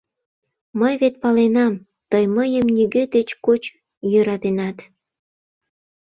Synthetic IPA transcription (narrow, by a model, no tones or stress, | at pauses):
məjβet̪̚pɑlenɑm | t̪əjməjəmnyɣød̪et͡ɕkot͡ɕ | jøɾɑt̪enɑt̪